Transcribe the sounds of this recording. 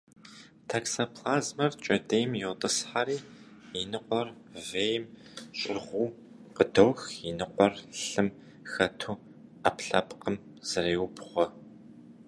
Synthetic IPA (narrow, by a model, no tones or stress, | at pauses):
tʰaːksapʰlaːzmɐrt͡ʃʼɐdejmjɛwtʼɨsħaɾiː | jɪnɨqʷʼɔr | veːjɪmɕʼɪ̰rʁʷuː | qədɐwxjɪnɨqʷɔrɬɨm | xɐtʰuː | apɬɐ̰pqəm | z̥ɨɾeːwʊbχʷɔ